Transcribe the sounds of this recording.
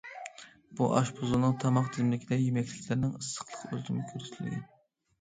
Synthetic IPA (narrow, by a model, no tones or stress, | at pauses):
b̥uʔɑʃbʰozulˠnɨŋt̪ʰɑmɑqt̪ʰizmlɪkʲʰid̪ɛjymɛkʲlɪkʲlɪɾnɪŋəsːə̥qʰlˠə̥qølt̪ymɪkʲʰøɾɪt̪ʰɪld̪ɪ̰n